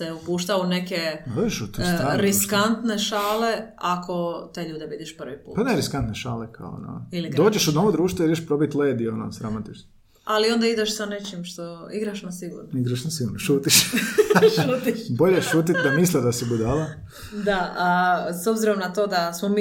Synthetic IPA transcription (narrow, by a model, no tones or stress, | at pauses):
t̪eupuːʃt̪aune̞kead̪oːd͡ʒeʃut̪saɾiskant̪neʃaːle̞akʰo̞t̪eʎuːd̪ebid̪iʃpr̩ʋipṵːpaneɾiskant̪neʃaːlekʰa̰o̰na̰ilid̪o̞ːd͡ʒeʃud̪noʋod̪ɾuːʃt̪ʋoiɾd͡ʒeʃpɾobit̪leːd̪iono̰sɾamot̪it͡ʃno | alio̞nd̪aid̪eʃsane̞t͡ʃimʃt̪oiɡɾaʃnasiɡṵːɾnoiɡɾaʃnasiɡuɾnoʃuːt̪iʃ | ʃuːt̪iʃboʎeʃuːt̪it̪d̪amislid̪asibud̪ala | d̪aasobziɾo̞mnat̪o̞ːd̪asmomi